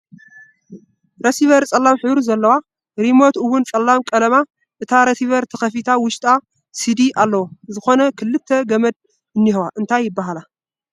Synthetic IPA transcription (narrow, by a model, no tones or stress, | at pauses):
ɾɐsiβɐɾt͡sʼɐlːamħɨβɾuzɐlːɐwa | ɾimo̞t̪ɨwunt͡sʼɐlːamkʼɐlɐma | ʔɨt̪ʰaɾɐsiβɐɾt̪ʰɐxɐfit̪ʰawʊʃt̪ʼa | sid̪iʔalːɐwozɨxo̞nɐkʰɨlːɨt̪ʰːɐɡɐmɐd̪̚ | ɨnːihwaʔɨnt̪ʰajːɪbːaɦala